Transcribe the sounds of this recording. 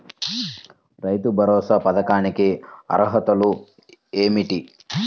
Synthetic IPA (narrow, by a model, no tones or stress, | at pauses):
ɾɐjt̪ubʱɐɾɔːsɐpɐd̪ɐkaːɳikeɐ̰ɾɐɦɐt̪ɐlu | eːmiʈi